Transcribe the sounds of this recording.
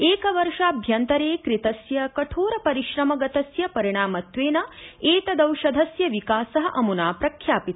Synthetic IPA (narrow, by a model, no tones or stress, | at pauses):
eːkɐʋɐɾʂɐːbʱjɐnt̪ɐɾeːkɾit̪ɐsjɐkɐʈʰoːɾɐpɐɾiʃɾɐmɐɡɐt̪ɐsjɐpɐɾiɳ̃aːmɐt̪ʋeːnɐeːt̪ɐd̪ɐwʃɐd̪ʱɐsjɐʋikaːsɐɦɐʔɐmunaːpɾɐkʰjaːpit̪